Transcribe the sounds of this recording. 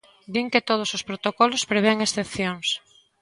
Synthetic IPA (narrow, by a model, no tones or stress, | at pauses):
d̪iŋket̪oð̞ʊsospɾot̪okɔlʊspɾeβeŋesθepθjoŋs